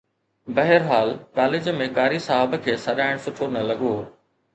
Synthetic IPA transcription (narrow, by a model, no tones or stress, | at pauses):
bɐɦəɾɦaːlkaːlɪd͡ʑmẽkaːɾisɐɦəbkʰeːsɐɗaːɪɽ̃sʊʈʰonɐlɐɠoː